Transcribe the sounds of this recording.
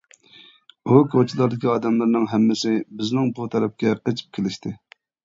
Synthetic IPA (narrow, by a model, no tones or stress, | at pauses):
ukʰot͡ʃʰilˠɑɾd̪ɪkʲiɑːd̪ɛmlˠɨɾnɨŋɦɛmːɪsɪbɪznɪŋbut̪ʰɛɾɛp̚kʲɛqet͡ʃʰi̥p̚kʲʰelɪʃt̪ʰɪ